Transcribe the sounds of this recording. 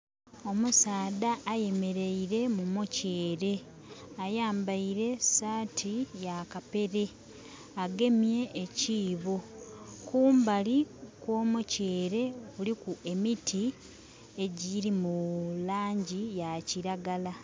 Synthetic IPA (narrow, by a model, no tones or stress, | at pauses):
o̞musaːdaʔːje̞me̞ɾe̞iɾe̞mumoceːɾe̞ | ajaːmbaiɾe̞saːtʰijakape̞ɾe̞ | aɡe̞mje̞ːciːβokuːmbalikwo̞ːmoceːɾe̞βulikuʔe̞mitʰi | e̞ɟiɾimulaːɲɟijaciɾaɡala